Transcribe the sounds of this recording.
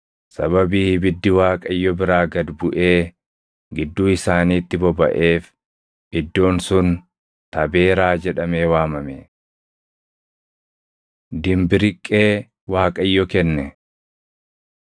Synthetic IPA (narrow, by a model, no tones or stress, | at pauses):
sɐβɐbiːbɪd̪ːɪwaːkʼɐjːɔbɪɾaːɡɐd̪bʊʔe̞ː | ɡɪd̪ːuːɪsaːniːt̪ːɪbɔbɐ̰ʔe̞ːf | ʔɪd̪ːo̞ːnsʊn | t̪ɐbe̞ːɾaːd͡ʒɛᶑɐme̞ːwaːmɐmɛ | d̪ɪmbɪɾɪkʼːe̞ː | waːkʼɐjːɔkɛnːɛ